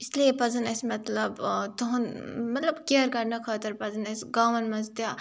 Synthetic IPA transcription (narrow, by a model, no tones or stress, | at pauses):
isliepɐzɐnɐsmɐt̪lɐbt̪ɐɦɐnmɐt̪lɐbkʲeːɾkɐɾnɐkʰaːt̪ɐɾpɐzɐnɐsɡaːʋɐnmɐzd̪jaː